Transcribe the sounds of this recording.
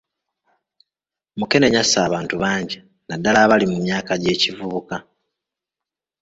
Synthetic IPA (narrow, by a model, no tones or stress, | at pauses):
muke̞ne̞ɲasaːβaːntuβaːɲɟe | nadːalaːβalimumjaːkaɟe̞ːcivuβuka